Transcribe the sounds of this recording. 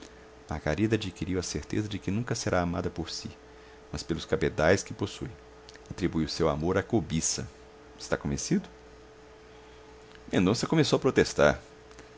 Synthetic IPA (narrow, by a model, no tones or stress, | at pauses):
mahɡa̰ɾid̪ɐad͡ʒikiɾiwɐseɾt̪ezɐd͡ʒɪkɪnũkɐseɾʔaːmad̪ɐpoɾsi | mɐspelʊskabed̪ajskɪposuj̃ | at̪ɾibujʊsewamoɾakobisɐ̰ | ɪst̪akõmesid̪ʊ | mẽnd̪õsɐkõmesowɐpɾot̪est̪a̰ɾ